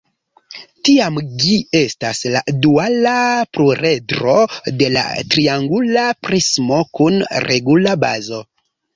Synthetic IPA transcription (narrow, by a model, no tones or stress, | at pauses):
tiamd͡ʒie̞stasladualapɾuɾe̞dɾo̞de̞la̰tɾiaŋɡulapɾismo̞kunɾe̞ɡulaba̰zo̞